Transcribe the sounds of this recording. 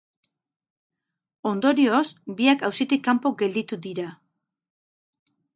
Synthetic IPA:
o̞nd̪o̞ɾio̞sbiakawsit̪ikːampo̞ɡe̞ld̪it̪ud̪iɾa

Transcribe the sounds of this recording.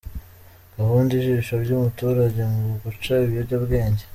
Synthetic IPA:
aβuːndiʒiiʃabɟumutuːɾaɟemuɡut͡ʃaiβijoɾɟabɡe̞ːɲɟe

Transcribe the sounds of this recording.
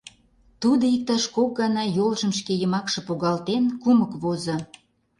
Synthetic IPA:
t̪ud̪oik̚t̪ɑʃkok̚ɡɑnɑjolʒə̆mʃkejəmɑkʃɤ̆poɣɑlt̪enkumə̆kβozo

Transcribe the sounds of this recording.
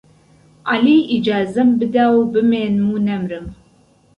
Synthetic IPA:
aliːid͡ʒaːzɐmbɨd̪awbɨmeːnmunɐmrɨm

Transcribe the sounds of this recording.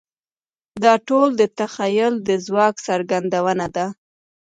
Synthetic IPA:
d̪ɑʈold̪ət̪axajʊld̪əzwɑksaɾɡand̪awənad̪a

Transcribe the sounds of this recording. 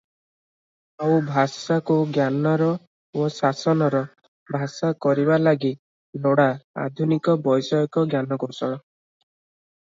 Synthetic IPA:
aubʱasakuɡjanɔɾɔ | osasɔnɔɾɔ | bʱasakɔɾiβalaɡi | loɽaa̰d̪ʱunikɔbɔjsɔjɔkɔɡjanɔɡosɔ

